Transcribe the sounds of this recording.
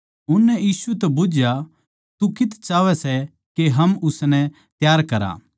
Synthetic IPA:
ʊnːɛjiːsuɛt̪ɛbʊd͡ʒja | t̪ukɪt̪ʰt͡ʃaːʋɛsɛ | keɦɐmʊsnɛ̃ | t̪jaːɾkɐɾa̰ː

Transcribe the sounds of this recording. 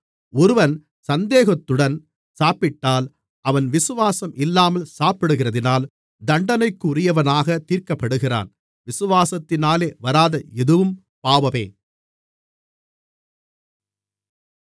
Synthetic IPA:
ɔɾɯʋɐn | sɐnd̪eːɣɐt̪ːɯɽɐn | saːpɪʈːaːl | ʔɐʋɐnʋɪsɯʋaːsɐmʔɪlːaːmɐlsaːpɪɽɯɣɪrɐðɪnaːl | d̪ɐɳɖɐnɐɪkːɯʊrɪjɐʋɐnaːɣɐt̪iːɾkɐpːɐɽɯɣɪra̰ːn | ʋɪsɯʋaːsɐt̪ːɪnaːleːʋɐɾaːðɐɛðɯʋɯm | paːʋɐʋeː

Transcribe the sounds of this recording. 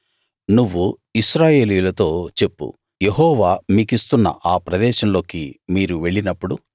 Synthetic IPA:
nuʋːu | iʃɾaːje̞ːlijulɐt̪o̞ːt͡ʃe̞pːṵ | je̞ɦɔːʋaːmiːkist̪unːɐ̰ʔaːpɾɐd̪ɛːʃɐmlo̞ːkimiːɾuʋe̞ɭːinɐpːuɽu

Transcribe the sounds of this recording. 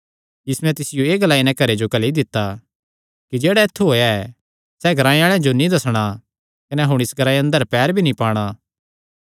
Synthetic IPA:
ɪsmɛ̃t̪ɪsɪjoeːɡɐlaːinɛ̃kɐɾed͡ʒokɐlid̪ɪt̪ːa | kid͡ʒeːɽaɪt̪ʰːuɦoːeɛ | sɛɡʱɐɾaːĩaːɭ̃ẽd͡ʒonĩd̪ɐsɽ̃a | kɐnɛɦʊɽ̃ɪsɡʱɐɾaːiɐ̃nd̪əɾpɛːɾbʱinĩpaːɽ̃a

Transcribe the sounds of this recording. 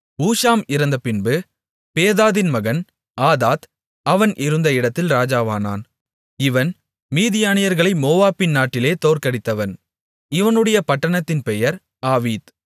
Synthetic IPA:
uːʂaːmɪɾɐnd̪ɐpɪnbɯ | peːðaːðɪnmɐɣɐn | aːðaːt̪ | ɐʋɐnʔɪɾɯnd̪ɐɪɽɐt̪ːɪlɾaːd͡ʒaːʋaːna̰ːn | ɪʋɐn | miːðɪjaːnɪjɐɾɣɐɭɐɪmoːʋaːpɪnnaːʈːɪleːt̪oːrkɐɽɪt̪ːɐʋɐn | ɪʋɐnɯɽɐjɐpɐʈːɐɳɐt̪ːɪnpɛjɐɾ | aːʋiːt̪

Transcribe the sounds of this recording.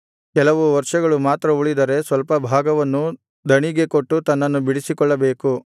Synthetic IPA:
kɛlɐʋuʋɐɾʂɐɡɐɭumaːt̪ɾɐuɭid̪ɐɾe̞sʋɐlpɐbʱaːɡɐʋɐnːu | d̪ʱɐɳiɡe̞koʈːut̪ɐnːɐnːubiɽisikɔɭːɐbeːku

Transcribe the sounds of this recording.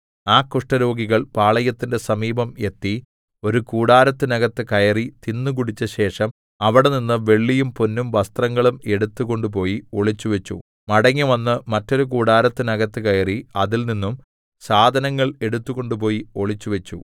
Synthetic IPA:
aːkuʂʈɐɾo̞ːɡiɣɐɭpaːɭɐjɐt̪ːinde̞sɐmiːbɐme̞t̪ːi | o̞ɾukuːɽaːɾɐt̪ːɨnɐɣɐt̪ːɨkɐjɐrit̪inːukuɽit͡ɕːɐɕe̞ːʂɐm | ɐʋiɽeninːɨʋe̞ɭːijumponːumʋɐst̪rɐŋːɐɭume̞ɽut̪ːuɣo̞ɳɖup̬o̞ːjio̞ɭit͡ɕːuʋɐt͡ɕːu | mɐɽɐŋːɐʋɐnːɨmɐtːo̞ɾukuːɽaːɾɐt̪ːɨnɐɣɐt̪ːɨkɐjɐriɐðilninːum | saːd̪ʱɐnɐŋːɐɭe̞ɽut̪ːuɣo̞ɳɖup̬o̞ːjio̞ɭit͡ɕːuʋɐt͡ɕːu

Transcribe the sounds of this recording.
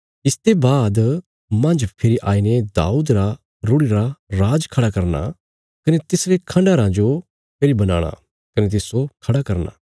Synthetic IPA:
ɪst̪ebaːd̪ | mɐ̃nd͡ʒpʰɪɾiʔaːined̪a̰ːuːd̪ɾa | ɾʊɽiɾaɾaːd͡ʒkʰɐɽakɐɾna̰ | kɐnet̪ɪsɾekʰɐ̃ɳɖaɾãd͡ʒo | pʰeɾibɐna̰ːɽ̃a̰ | kɐnet̪̬ɪsokʰɐɽakɐɾna̰ː

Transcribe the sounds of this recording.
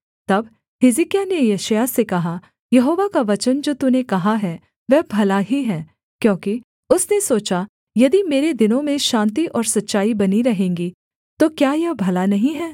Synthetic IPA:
t̪ɐb | hɪzɪkijanejeʃjasekɐɦa | jɐɦoːʋakaʋɐt͡ʃənd͡ʒoːt̪unekɐɦaɦɛː | ʋɛːbʱɐlaɦiɦɛː | kjõːki | ʊsnesoːt͡ʃa | jɐd̪imeːɾed̪ɪnõmẽʃãːnt̪̬iʔɔːɾsɐtːʃaːibɐniɾɐɦẽːŋɡi | t̪okjaːjɐbʱɐlanɐɦĩɦɛː

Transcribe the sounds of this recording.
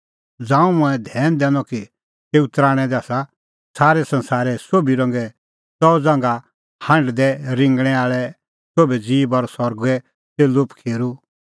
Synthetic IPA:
d͡zãːũmũɛ̃d̪ʱɛːnd̪ɛ̃ːnɔki | t̪eːut̪ɾaːɽ̃ɛd̪ɛaːsa | saːɾɛsɐ̃nsaːɾɛsoːbiɾɔ̃ŋɡɛ | t͡sɔd͡zãːŋɡa | hɐ̃ɳɖd̪ɛɾɪ̃ŋɡɽ̃ɛaːɭɛ | soːbɛd͡ziːbɔɾsɔɾɡɛ | seːlʊpkʰeːɾu

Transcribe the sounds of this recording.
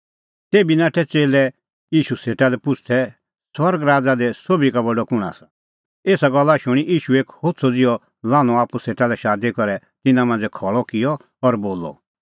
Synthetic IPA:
t̪eːbinaːʈʰɛt͡seːlɛ | jiːʃuseːʈalɛpʊt͡ʃʰt̪ʰɛ | swɐɾɡɾaːd͡zad̪ɛsoːbikabɔɖɔkʊɽ̃a̰sḁ | eːsaɡɔlːaʃʊɽ̃iʔiːʃueːkhoːt̪t͡sʰɔd͡zɪjɔ | lãːñɔ̃aːpuseːʈalɛʃaːd̪ikɔɾɛ | t̪ɪnãmãnd͡zɛkʰɔɭɔkɪjɔ | ɔɾboːlɔ̰

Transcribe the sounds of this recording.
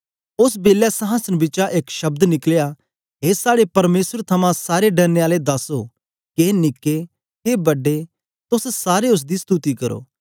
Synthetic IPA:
ʊs̬beːlːɛsɐɦãsənbɪt͡ʃaʔeːkʃɐb̚d̪nɪklja | ɦeːsaːɽepɐɾmeːsəɾt̪ʰɐmãsaːɾeɖɐɾneaːled̪ɐso | keːnɪkːe | keːbɐɖːe | t̪ʊssaːɾeʊs̬d̪ist̪uːt̪ikɐɾo̰ː

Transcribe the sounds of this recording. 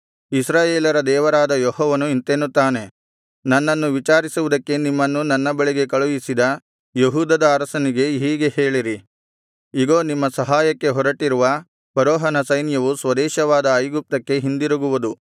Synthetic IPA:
isɾaːjeːlɐɾɐd̪ɛːʋɐɾaːd̪ɐjɔɦɔːʋɐnuint̪enːut̪ːaːne̞ | nɐnːɐnːuʋit͡ʃaːɾisuʋud̪ɐkːe̞nimːɐnːunɐnːɐbɐɭeɡe̞kɐɭujisid̪ɐ | jeɦuːd̪ɐd̪ɐːɾɐsɐniɡe̞ɦiːɡe̞he̞ːɭiɾi | iɡo̞ːnimːɐsɐɦaːjɐkːe̞ɦɔɾɐʈiɾuʋɐ | pɐɾoːɦɐnɐsɐjnjɐʋusʋɐd̪ɛːʃɐʋaːd̪ɐːjɡup̚t̪ɐkːe̞ɦind̪iɾuɡuʋud̪u

